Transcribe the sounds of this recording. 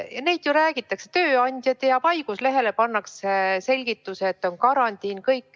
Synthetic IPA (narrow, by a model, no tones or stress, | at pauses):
jɑne̞jd̪̥juɾæːɡ̥it̪ːˑɑkse̞̥t̪ø̞ːɑnʲd̪̥ʲjɑd̪̥jɑpɑjɡ̥usle̞ɦe̞le̞pɑnːɑksese̞lʲɡ̥it̪ːˑuseːt̪ːˑo̞nkɑɾɑnt̪ʲiːnkɤjkːˑ